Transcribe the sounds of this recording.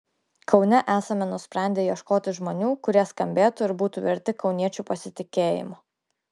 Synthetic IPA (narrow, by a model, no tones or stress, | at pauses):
kʰɒʊnʲɛʔæːsɐmʲɛnʊsʲpʲɾʲɛˑnʲd̪ʲeːjiɛʃkoːt̪ʲɪʒmoːnʲuːkʊɾʲiɛskɐmʲbʲeːt̪ʊɪɾbuːt̪uːʋʲɛɾʲt̪ʲɪkɒʊnʲiɛt͡ʃʲupɐsʲɪt̪ʲɪkʲeːjɪ̰moː